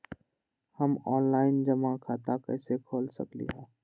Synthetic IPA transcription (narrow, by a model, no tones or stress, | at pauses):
hɐmɔːnlaːɪnd͡ʒɐmãkʰaːt̪akɛːsekʰoːlsə̰klḭɦɛ̃ː